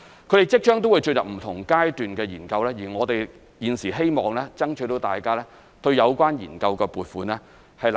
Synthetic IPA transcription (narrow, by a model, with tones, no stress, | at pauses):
kʰtɾe˨˩jt͡sɪ˥k̚t͡ʃœː˥ŋt̪o˥wu˨˧jt͡ʃɵ˧jɐ˨p̚m̩˨˩t̪ʰʊ˨˩ŋkaː˥jt̪yː˨nkɛː˧jiː˨˩nkɐ˧wlɛː˥jiː˨˩ŋɔː˨˧t̪e˨j | jiː˨˧nsiː˨˩ɦe˥jmɔː˨ŋlɛː˥t͡sɐ˥ŋt͡ʃʰɵ˨˥jt̪o˨˧wt̪a̰ː˨jkaː˥lɛː˥ | t̪ɵ˧ɥjɐ˨˧wkʷaː˥njiː˨˩nkɐ˧wkɛː˧puː˨t̚fuː˨˧nlɛː˥ | hɐ˨jl